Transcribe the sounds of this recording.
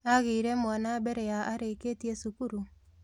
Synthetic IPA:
aɣeiɾɛmwɔnabɛɾɛjaʔaɾeketiesukuɾu

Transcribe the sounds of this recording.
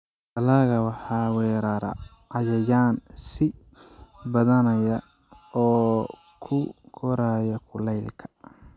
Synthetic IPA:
tɐlaːɣɐwɑħɑːwɛːɾɐɾɐ̰ | ɑjɐjaːnsɪ | bɐðɐnɐjɐ | ɔː | kʰʊkʰɔɾaːjɐkʰʊlɛjlkʰɐ̥

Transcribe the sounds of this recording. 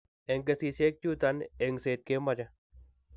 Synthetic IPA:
eŋɡɐsiːsek̚t͡ʃut̪ɐneŋseːt̪̚kemɐd͡ʑɐ

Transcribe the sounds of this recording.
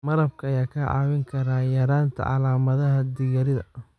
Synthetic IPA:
mɐɾɐb̚kʰɐɐjaːkʰɐʕɑ̰ːwɪŋkʰɐɾaːjɐɾaːnt̪ʰɐ̰ʕɑ̰laːmɐðɐɦɐd̪ɪɣɐɾɪðɐ̰

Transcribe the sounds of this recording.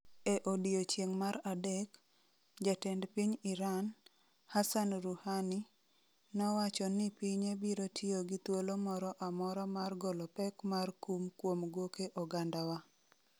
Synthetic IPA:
eʔodiot͡ʃjeŋmaɾadɛk | d͡ʒatendpiɲɪɾan | hasanɾuhani | nɔwat͡ʃɔnɪpiɲebiɾotʰjoɡit̪wolomɔɾɔʔamɔɾɔmarɡɔlɔpɛkmarkumkwomɡokeʔɔɡandawa

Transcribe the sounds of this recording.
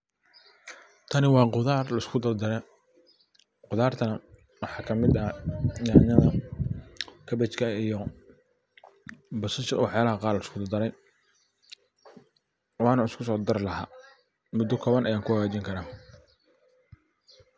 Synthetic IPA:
t̪ʰɐnɪwɑːqʊðaːrlɐɪskʰʊd̪ɐrd̪ɐɾɛ | qʊðaːrt̪ʰɐnɐ | wɑħɑːkʰɐmɪd̪ɐjaʕnɐðɐ | kʰɐbɛt͡ʃkʰɐijɔ | bɐsɪʃwɑħjaːlɐɦɐqɑːrlɐɪskʰʊd̪ɐd̪ɐɾɛj | wɑːnɐɪskʰʊsɔːd̪ɐrlɐɦa̰ː | mʊd̪ːɔkʰɔːβɐnʔɐjaːŋkʰʊhɐɣaːt͡ʃiːŋkʰɐɾaː

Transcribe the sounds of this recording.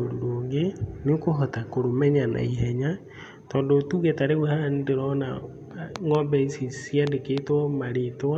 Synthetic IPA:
oɾuɾoːŋɡenekoɦɔtakoɾomɛɲana̰iɦɛɲa | tɔːndotuːɣetaɾewɛhandeɾɔna̰ | ŋɔmbɛisisiandeketwɔmaɾetwa

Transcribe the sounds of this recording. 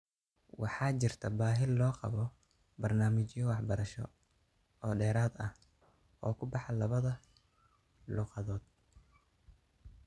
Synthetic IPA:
wɑ̰ħɑːt͡ʃɪrt̪ʰɐbaːɦɪllɔːqɑ̰βɔ | bɐrnaːmɪt͡ʃjɔwɑħbɐɾɐʃɔ̰ | ɔːɖɛːɾaːd̪ɐh | ɔːkʰʊbɑħɑlɐβɐðɐ | luːqɑðɔːd̪̚

